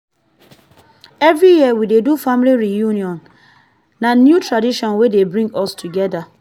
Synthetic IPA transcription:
ɛvɾijiɛwidedufamliɹijuniɔ̃n | nanjutɹadiʃɔ̃nwedebɹĩŋɡɔstʰuɡɛda

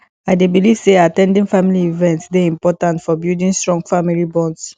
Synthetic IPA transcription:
ajdebiliv̥seatɛ̃ndĩŋfamiliivɛ̃ntsdeĩmpɔtãntfɔbildĩnstɹɔ̃ŋɡfamilibɔ̃ns

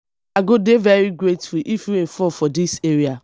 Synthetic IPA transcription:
aɡodevɛɾiɡɾetfliʔifjuefɔfɔdiseɾia

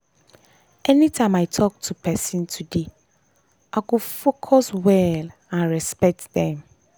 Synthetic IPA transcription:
ɛnĩtʰãɪ̃matʰɔk̚tʰupʰɛsĩntʰude | ʔakʊfokʰɔswɛl | ãnɹɛspɛk̚tdɛ̃m

